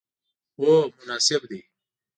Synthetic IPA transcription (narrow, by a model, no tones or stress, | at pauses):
oːmʊnaːsɪbd̪iː